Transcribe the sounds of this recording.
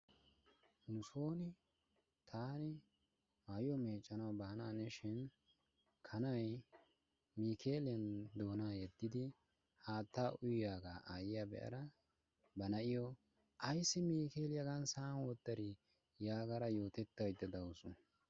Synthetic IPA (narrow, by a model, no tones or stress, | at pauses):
nʊso̞ːnɪ | t̪ʰaːnɪ | maːjɔmeːt͡ʃʼːɐnɐwbaːnaːnɛʃɪn | kʰɐnɐj | miːkʰe̞ːlɪjɐnd̪o̞ːnaːjɛd̪ːɪd̪ɪ | haːt̪ːaːʔʊjjaːɡaːʔaːjɪjabɛ̰ʔɐ̰ɾɐ | bɐnɐʔɪjɔ | ʔɐjsːɪmiːke̞ːlɪjɐɡɐnsaːnwɔt̪ːɐɾɪ | jaːɡɐɾɐjo̞ːt̪ɛt̪ːɐjd̪ːɐd̪ɐwʊsʊ